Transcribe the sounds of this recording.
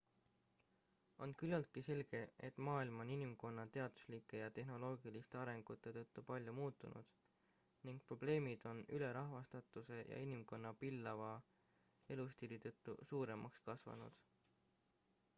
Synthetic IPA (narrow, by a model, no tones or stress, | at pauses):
o̞nkylːɑlt̪̚kise̞lɡ̥e̞et̪ːˑmɑːilmo̞ninimko̞nːɑt̪e̞ɑd̪̥u̥slikːˑe̞jɑt̪e̞ɦno̞lo̞ːɡilist̪eɑɾe̞ŋɡ̥ut̪ːˑe̞t̪ɤt̪ːˑupɑlʲjumuːt̪ːˑunṵd̪̥ | niŋɡ̥̚pro̞ble̞ːmid̪̥o̞nyle̞ɾɑɦvɑst̪ɑt̪ːˑuse̞jɑ̰inimko̞nːɑpilːɑvɑ | e̞lust̪ilit̪ɤt̪ːˑṵsuːɾe̞mɑ̰kskɑsvɑ̰nṵd̪̥